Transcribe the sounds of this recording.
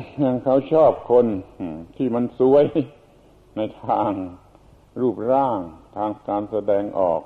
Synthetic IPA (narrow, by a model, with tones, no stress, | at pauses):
ɲa˧ŋkʰa˦˥˩wt͡ɕʰɔː˥˩p̚kʰo˧n˩t̪ʰiː˥˩ma˧˥nsu˦˥ə˥˨j | na˧jt̪ʰaː˧ŋ | ɾuː˥˩p̚ɾaː˥˩ŋt̪ʰaː˧ŋkaː˧nsa˧dɛː˧ŋʔɔː˨˩k̚